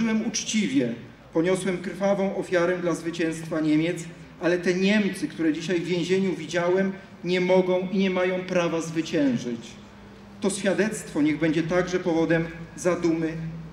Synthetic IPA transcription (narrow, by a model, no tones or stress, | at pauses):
wɛmut͡ʂt͡ɕivʲjɛ | pɔɲɔswɛmkɾfavɔ̃w̃ɔfʲjaɾɛd̪lazvɘt͡ɕɛ̃w̃st̪faɲemʲjɛt̪s | alɛt̪ɛɲɛmt̪sɘkt̪uɾɛd͡ʑiɕajvjɛ̃w̃ʑeɲuvʲid͡ʑawɛm | ɲɛmɔɡɔ̃w̃iɲɛmajɔ̃w̃pɾavazvɘt͡ɕɛ̃w̃ʐɘt͡ɕ | t̪ɔɕfʲjad̪ɛt̪st̪fɔɲɛɣbɛɲd͡ʑɛt̪aɡʐɛpɔvɔd̪ɛmzad̪umɘ